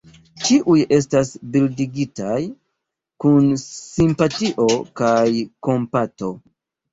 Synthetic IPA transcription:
t͡ʃiʔuje̞s̬tasbildiɡitaj | kunsimpatiʔo̞kajko̞mpato̞

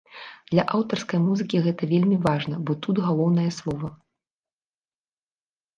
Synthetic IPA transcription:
d̪̥lʲɐʔawt̪ɐrskɐjmuzɨkʲiɣɛt̪ɐvʲelʲmʲivaʐnɐbɔt̪ud̪ɣalˠɔwnɐjɐslˠɔvɐ

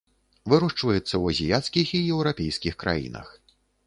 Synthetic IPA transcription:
vɨɾuʂt͡ʂvɐjɛt̪sːɐwɐzʲijat̪skʲixijɛwɾapʲejskʲixkɾa̰jḭnɐ̰x

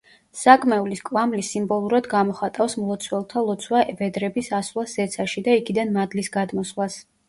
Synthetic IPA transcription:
sakʼmɛuliskʼwamlisimbɔlˠuɾad̪ɡamɔχat̪ʼafsmlˠɔt̪sʰwɛlˠt̪ʰalˠɔt̪sʰwaʔvɛd̪ɾɛbisaslˠaszɛt̪sʰaʃid̪aikʰid̪anmad̪lisɡad̪mɔswlˠas

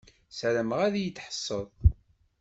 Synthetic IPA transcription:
sɾəməʁæðjət͡sːħə̥sˤːəðˤ

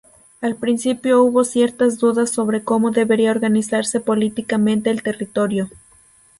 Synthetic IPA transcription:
alpɾinsipjo̞uβo̞sje̞ɾt̪azðuðasːo̞βɾe̞ko̞mo̞ðe̞βe̞ɾiaoɾɣanisaɾse̞po̞lit̪ikamẽ̞nt̪e̞ːlt̪e̞rit̪o̞ɾjo̞

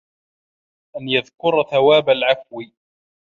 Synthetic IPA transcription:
ʔanjaðkʊɾˤθawaːbalʕafwi

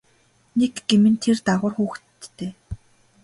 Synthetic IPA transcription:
nekɡemɘ̆nt̪ʰert̪aʁʊ̆ːrxuːxtt̪ːeː

